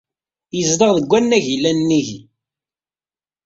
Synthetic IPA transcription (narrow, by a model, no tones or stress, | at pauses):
jəzd̪əʁðəɡʷænːæʝilːænnːiʝ